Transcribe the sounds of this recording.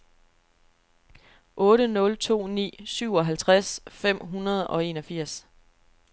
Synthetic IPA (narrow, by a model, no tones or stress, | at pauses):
ʔɔ̽ːɾ̥ənɔ̽lt͡sʰo̝̰ːnḭːsyʊ̰ɒ̽ɦælt͡sʰʁasfem̰ɦunɐð̞̩ˠɒ̽e̝nɒ̽fiɐ̰s